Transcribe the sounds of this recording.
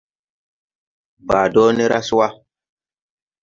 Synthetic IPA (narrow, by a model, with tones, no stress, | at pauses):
baː˨dɔː˦ne˦ɾa˦su˦wa˦